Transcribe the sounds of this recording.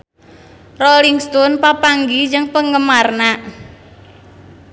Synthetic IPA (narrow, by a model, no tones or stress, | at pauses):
roliŋst̪ɔnpapaŋɡid͡ʒəŋpəŋɡəmarna